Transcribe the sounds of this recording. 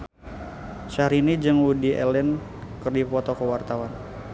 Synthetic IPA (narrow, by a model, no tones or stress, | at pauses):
ʃaɾinid͡ʒɨŋwudiʔɛ̰lɛn | kərdipɔt̪ɔkəwart̪awan